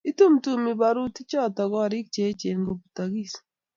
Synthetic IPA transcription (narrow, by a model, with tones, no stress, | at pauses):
i˦tu˦mtu˦˨mi˨ba˨ɾu˦ti˦t͡ʃɔ˦˨ta˨ɡɔ˦˨ɾɪ˦k̚t͡ʃe˨˦t͡ʃe˨nɡo˨pu̥˨ta˨ɡi˦˨s